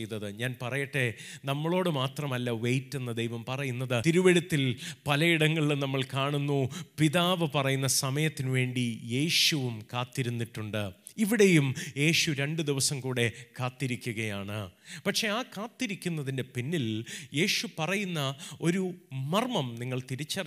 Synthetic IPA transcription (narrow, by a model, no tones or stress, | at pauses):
jt̪ːɐðɨɲaːnpɐrɐjɐʈːe̞nɐmːɐɭo̞ːɽɨmaːt̪rɐmɐlːɐʋejtːunːɐd̪ejʋɐmpɐrɐjunːɐðɨt̪iɾuʋɐɽut̪ːilpɐlɐjiɽɐŋːɐɭilnɐmːɐɭkaːɳunːupiðaːʋɨpɐrɐjunːɐsɐmɐjɐt̪ːinɨʋe̞ːɳɖije̞ːɕuʋumkaːt̪ːiɾunːiʈːuɳɖɨ | iʋiɽe̞jumje̞ːɕuɾe̞ɳɖɨd̪iʋɐsɐmkuːɽe̞kaːt̪ːiɾikʲːuɣɐjaːɳɨpɐkʂe̞aːkaːt̪ːiɾikʲːunːɐðinde̞pinːilje̞ːɕupɐrɐjunːɐo̞ɾumɐrmɐmniŋːɐɭt̪iɾit͡ɕːɐr